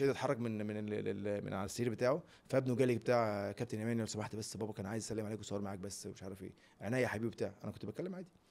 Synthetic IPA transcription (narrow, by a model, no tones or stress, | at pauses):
ed̪æt̪ħɑrˤːɑɡmenmenmḛnʕalæsːiːɾbet̪aːʕo | fææbnuwɡæːlekbet̪aːʕkæp̚t̪enʔæmæːniʔælsˤɑmɑħt̪bæsːbæːbɑkæːnʕaːjezʔæsælːemʕaleːkwesˤhɑːɾmaʕaːk̚bæsːmeʃʕɑɾˤɑfʔḛː | ʕenæːjæħabiːbibet̪aːʕʔæ̰nækont̪bæt̚kælːemʕanːd̪i